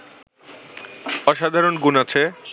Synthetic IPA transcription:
ɔʃad̪ʱaɾonɡunat͡ɕʰe

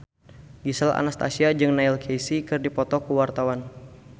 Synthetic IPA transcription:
ɡisala̰nast̪asiad͡ʒɨŋnailkʰejsikɨrdipɔt̪ɔkuwart̪awan

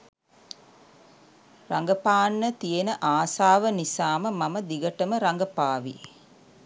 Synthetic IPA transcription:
raŋɡəpaːnːət̪ijenəʔaːsaːʋənisaːməmaməd̪iɡəʈəməɾaŋɡəpaːʋḭ

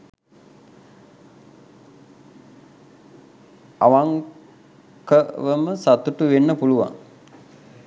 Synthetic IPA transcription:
aʋaŋ | kəʋəməsat̪uʈuʋenːəpuluʋa̰ŋ

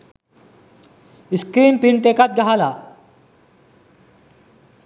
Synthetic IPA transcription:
iskɾiːnpiɳʈekat̪̚ɡaɦala

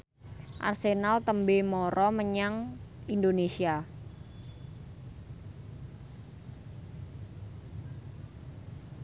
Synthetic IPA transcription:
ʔa̰rsenalt̪əmbemɔɾɔməɲaŋindonesia

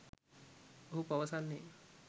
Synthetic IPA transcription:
oɦupaʋəsanːe

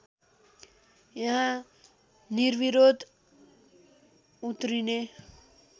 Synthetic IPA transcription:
jʌɦã | niɾʋiɾod̪ | ut̪ɾine

